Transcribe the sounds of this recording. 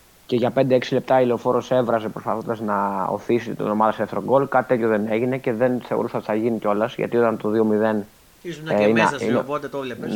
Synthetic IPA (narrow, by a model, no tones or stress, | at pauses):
ce̞ʝɐpnd̪e̞eksile̞p̚t̪ɐileo̞fo̞ɾo̞se̞vɾɐze̞pɾo̞spɐθo̞nd̪ɐznɐo̰θiset̪et̪ḭnomɐðɐsefθɾoɡo̞lkɐt̪i̥t̪et̪çoðe̞ne̞ʝine̞ce̞ðe̞nθe̞o̞̰ɾusɐot̪iθɐʝiniceo̞lɐzʝɐ̰t̪io̞t̪ɐnt̪o̞ðio̞miðe̞n | inin